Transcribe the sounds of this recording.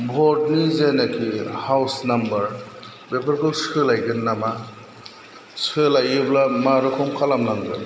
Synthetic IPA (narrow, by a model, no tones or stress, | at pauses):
bʱɔɾd̚nizenakʰihawsnambɐɾ | bepʰaɾkʰɯsʰɯlajɡɯnːama | sɯlajɯblamaɾukʰɔmkʰalamnaŋɡɯ̰n